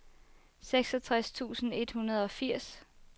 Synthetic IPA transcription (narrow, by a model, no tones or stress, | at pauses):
seɡ̥sɒ̽t͡sʰʁast͡sʰṵːsn̩e̝d̥hunɐð̞ˠɒ̽fiɐ̰s